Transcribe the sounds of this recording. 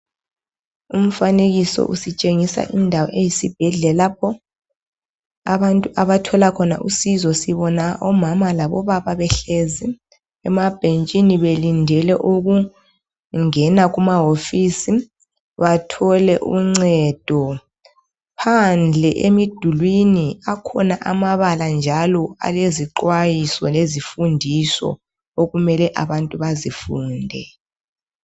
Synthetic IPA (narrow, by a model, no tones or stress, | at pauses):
um̩faneɣisɔ̰ʔusit͡ʃʼeŋisa̰ʔindʱawɔ̰ʔejisib̥ʱɛɮɛlapʰɔ | aβantʼuʔaβatʰɔlakʰɔna̰ʔusizɔsiβɔnaʔɔmamalaβɔ̰βaβaβɛɬezi | ɛmab̥ʱent͡ʃʼiniβelindʱɛlɛʔoɣu | ŋɛnaɣumaɦofiːsi | βatʰɔlɛʔṵŋ͡ǀɛd̥ʱɔ | pʰand͡ɮʱɛʔemid̥ʱulwiniakʰɔnaʔamaβaland͡ʒʱalɔa̰leziǃwajisɔlezifundʱisɔ̰ | oɣumɛlɛʔaβantʼuβazifuːndʱɛ